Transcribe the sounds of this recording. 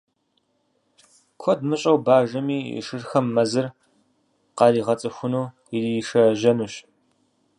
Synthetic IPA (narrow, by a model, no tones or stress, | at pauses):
kʷʰɔdmɨɕʼɐwbaːʒɐmḭːʂɨrxɐmːɐzɨr | qɑɾiːʁɐt͡sʼɨxʷʊnuː | iriʂɐʒɐnuɕ